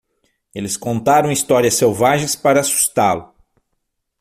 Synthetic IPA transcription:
elɪskõnt̪aɾɐ̃w̃ist̪ɔɾiɐsewvaʒẽj̃spaɾɐːsu̥st̪alʊ

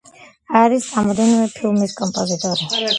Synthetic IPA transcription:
aɾisɾamɔd̪ɛnɾɛpʰilˠmiskʼɔmpʼɔzit̪ʼɔɾi

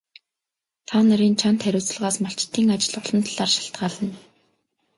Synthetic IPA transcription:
t̪ʰaːnaɾiːnt͡ɕʰant̪χæɾʲʊːt͡sə̆ɮʁaːsmaɬt͡ɕɪ̥t̪ʰːiːŋat͡ɕɪ̆ɮʊɮɞ̆nt̪ʰaɮ̥aːrʃḁɬt̪ɢaːɮə̆n

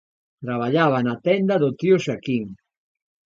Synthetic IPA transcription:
t̪ɾaβ̞aʎaβ̞anat̪ɛnd̪aðot̪ioʃakiŋ

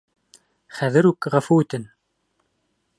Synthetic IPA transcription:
χæðɘɾʉkʁæfuɘ̆t̪ɘn

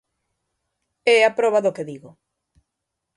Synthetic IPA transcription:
ɛapɾɔβaðokeðiɣo

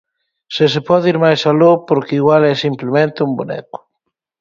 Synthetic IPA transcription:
sɪsepɔðiɾmajsalopoɾkɪiɣwalɛsimplemẽnt̪ɪumbonɛ̰kʊ̥

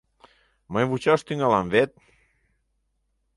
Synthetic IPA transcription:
majβut͡ʃawst̪iŋalamvet̪̚

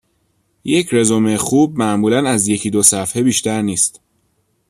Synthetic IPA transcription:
jecʰɾe̞zomexuːb̚mæʔmuːlænæzje̞cʰiːd̪osæfhebiːʃt̪æɾniːst̪

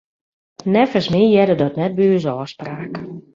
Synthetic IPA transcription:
nɛfəsmijɛdədɔtnɛt̚byːəzɔːspraːk

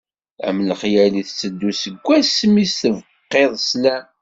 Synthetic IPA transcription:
æ̰mːləχjæliθt͡sːəd̪ːusəɡʷːæsmisθəv | qːeðˤslæ

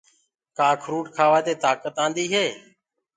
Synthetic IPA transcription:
kaːkʰɾuːʈkʰaːʋaːt̪eːt̪aːkət̪ãːnd̪iːɦeː

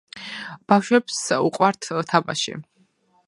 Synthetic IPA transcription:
b̥afʃwɛpsuqʼwaɾt̪ʰt̪ʰaba̰ʃḭ

